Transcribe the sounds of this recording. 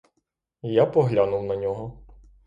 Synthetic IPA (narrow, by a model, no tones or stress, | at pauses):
japɔɦlʲanʊwnɐnʲɔɦɔ